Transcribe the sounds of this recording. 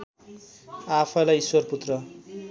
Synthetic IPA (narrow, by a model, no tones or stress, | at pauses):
apʰʌlajiswʌrput̪rʌ